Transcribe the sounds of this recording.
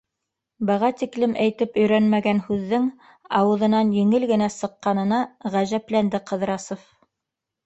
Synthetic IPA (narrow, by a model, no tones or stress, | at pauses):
bɤ̆ʁɑt̪iklɘmʔæjt̪ɘpɵ̆jɾænmæɡænhʉðːɘŋ | ɑwɤ̆ðɤ̆nɑnjɘ̆ŋɘlɡɘ̆næsɤ̆qːɑnɤ̆nɑʁæʑæplænd̪ɘqɤ̆ðɾɑsof